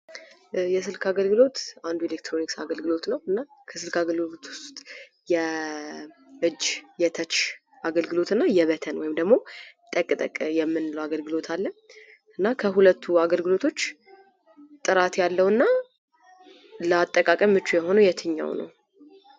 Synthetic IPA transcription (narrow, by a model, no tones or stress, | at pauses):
jɛsɨlkʰaɡəlɡɨlo̞t̪and̪uelek̚t̪ʰɾo̞niksa̰ɡəlɡɨlo̞t̪nəwɨnːakʰəsɨlkaɡəlɡɨlo̞t̪wʊ̥st̪t̪ʼ | jɛ | ʔɨd͡ʒjɛt̪ʰət͡ʃː | ʔaɡəlɡɨlo̞t̪ɨnːajɛβət̪ʰənwɔjɪmd̪əɡmo̞t̪ʼəkʼt̪ʼəkʼjɛmːɨnləwaɡəlɡɨlo̞t̪ʰalːə | ʔɨnːakʰəɦulət̪ʰːuaɡəlɡɨlo̞t̪ʰo̞t͡ʃː | t̪ʼɨɾat̪jalːəwɨnːa | ləat̪ʼːəkʼakʼəmːɨt͡ʃːujɛho̞nujɛt̪ʰɨɲːa̰wnə̰w